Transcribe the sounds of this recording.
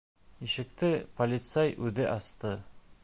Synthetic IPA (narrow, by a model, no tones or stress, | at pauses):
iʃɘ̆kt̪ɘpolʲɪt̪sæjʉðɘʔɑst̪ɤ